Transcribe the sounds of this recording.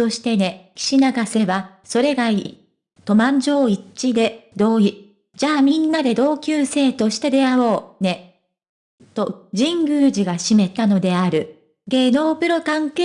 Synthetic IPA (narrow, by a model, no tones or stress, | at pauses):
o̞ɕi̥t̪e̞ne̞kʲi̥ɕinaɡase̞βa | so̞ɾe̞ɡai | t̪o̞mãɲ̟d͡ʑo̞ːit͡ɕid̪e̞d̪o̞ːi | d͡ʑaːmʲĩnːad̪e̞d̪o̞ːkʲɨːse̞ːt̪o̞ɕi̥t̪e̞d̪e̞aβo̞ːne̞ | t̪o̞d͡ʑĩŋɡɯ̟ːd͡ʑiɡaɕime̞t̪ano̞d̪e̞aɾɯ̟ | ɡe̞no̞ːpɯ̟ɾo̞kãŋke